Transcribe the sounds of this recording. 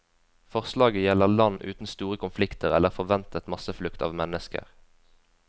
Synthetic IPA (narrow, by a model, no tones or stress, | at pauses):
fɔʁslɑːɡəjɛləʁlɑnʔʉːt̪n̩st̪uːʁəkʰʊnflɪkt̪əʁɛləʁfɔʁʋɛnt̪ʰət̪mɑsəflʉkt̪ʰɑ̰ːʋmɛnəskə̰ʁ